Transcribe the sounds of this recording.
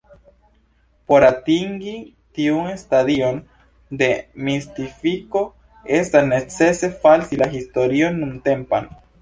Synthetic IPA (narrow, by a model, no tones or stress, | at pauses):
po̞ɾatiŋɡi | tiunestadio̞n | d̪e̞mist̪ifiko̞ | e̞stasne̞t͡se̞se̞falsilaɦisto̞ɾionːunte̞mpa̰n